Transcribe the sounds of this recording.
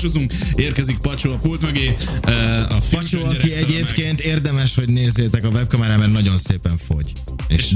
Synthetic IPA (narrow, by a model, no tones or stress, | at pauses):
t͡ʃozuŋk | eːrkɛzik̚pɒt͡ʃoɒpult̪møɡeː | ɒfɒt͡ʃoɒkiɛɟeːpkeːnt̪eːrd̪ɛmɛʃho̞ɟneːzeːt̪ɛkɒvɛp̚kɒmɛɾaːmɛrnɒɟo̞nseːpɛɱfo̞̰ɟ | ḛːʃ